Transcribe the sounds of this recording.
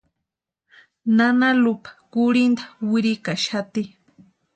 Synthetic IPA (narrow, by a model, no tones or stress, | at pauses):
nanalʊpḁkʊɾɪnd̪ḁwɪɾikaʃat̪i